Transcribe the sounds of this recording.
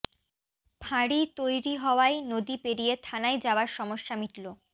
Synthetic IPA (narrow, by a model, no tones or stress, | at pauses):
bʱaɽit̪ojɾiɦɔoajnod̪ipeɾijet̪ʰanajd͡ʑaoaɾʃɔmoʃːamiʈlo